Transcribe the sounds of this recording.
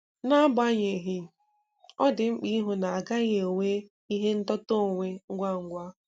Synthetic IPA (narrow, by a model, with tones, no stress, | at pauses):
na˦ba˦ɲe˨ɦi˦ | ɔ˦dɪ˨ŋ͡m̩˦k͡pi˦ɦʊ˨na˨a˨ɡa˦ɲe˨o˨we˦ | i˦ɦe˦n̩˦tɔ˦to˦˨ŋʷe˦ŋ̩˦ɡʷa˦˨ŋ̩˦ɡʷa˦